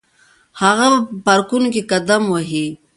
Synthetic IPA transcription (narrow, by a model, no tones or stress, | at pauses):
haɣabapəpaɾkunokekad̪amwaɦi